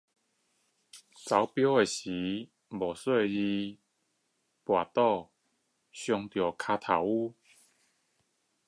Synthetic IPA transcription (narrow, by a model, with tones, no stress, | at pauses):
t͡sa˨˦wpjɔ˥˦e˨ɕi˨˦ | bɔ˨˩swe˥˧˩i˧ | pwa˨˩t̪ɔ˥˧ | ɕjɔ˧ŋt̪jɔ˨˩kʰa˧t̪ʰa˨˩wu˥˦